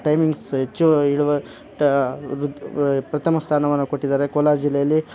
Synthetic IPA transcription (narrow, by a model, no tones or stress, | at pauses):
ʈɐjmiŋɡsɦet͡ʃːuʋɐiɽuʋɐ | ʈɾupɾɐt̪ʰɐmɐst̪ʰaːnɐʋɐnːukoʈːid̪aːɾe̞kɔlaːd͡ʒilːɛjɐlːi